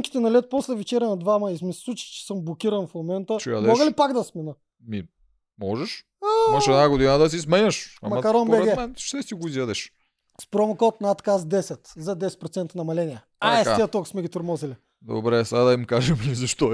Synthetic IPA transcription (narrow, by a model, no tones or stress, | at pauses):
mkʲi̥t̪ɛnɐlɛt̪poslɛvɛt͡ʃɛɾʲɛnɐd̪vamɐismisɛ̥sˠut͡ʃi̥t͡ʃɛ̥sɤmblˠokʲiɾɐnfmomɛnt̪ət͡ʃɛja̰d̪mɔɡəlipaɡd̪ɐsmɛnə | mi | mɔʒɛʃ | aimɐʃɛd̪naɡod̪inəd̪ɐs̬ismɛɲʲɐʃɐ̰mɐmɐkɐɾɔnpobɛɾɛtɡ̪ɛmɛnʃt̪ɛsiɡʊizjad̪ɛʃ | spɾɔmokɔt̪̚nat̪kasd̪ɛsɛt̪zɐd̪ɛsɛt̪pɾot̪sɛnt̪nɐmɐlɛniɛ | aɛstaiət̪okʊ̥smɛɡʲit̪ʊɾmɔzili | d̪o̰bɾɛsaad̪ɐimkaʒɛmizɐʃt̪ɔ